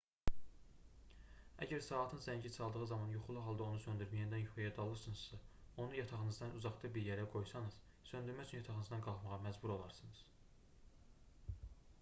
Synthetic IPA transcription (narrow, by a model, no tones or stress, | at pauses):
æ̰ɟæɾsɑːt̪ʰɯnzæɲɟisɑlˠd̪ɯʁɯzɑmɑnjuχulˠuɦɑlˠd̪ɑo̞nusønd̪yɾmijænd̪ænuχijæd̪ɑlˠɯɾsɯnɯzsɑ | o̞nujɑt̪ʰɑʁɯnɯzd̪ɑnuzɑχt̪ɯbiɾjæɾæɡo̞jsɑnɯz̥ | sø̞nd̪yɾmæyt͡ʃʰynjɑt̪ʰɑʁɯnɯzd̪ɑnɡɑlˠχmɑʁɑmæzbuɾolˠɑɾsɯnɯz̥